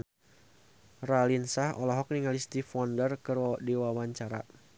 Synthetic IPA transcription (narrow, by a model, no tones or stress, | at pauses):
ralinsahɔ̰lɔɦɔk̚niŋalist̪ifɔndərkɨrdiwawaɲt͡ʃaɾa̰